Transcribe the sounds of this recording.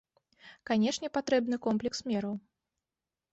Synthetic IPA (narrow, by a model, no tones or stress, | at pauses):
kanʲɛʂnʲɛpat̪ɾɛbnɨkɔmplʲɛksmʲɛɾɐw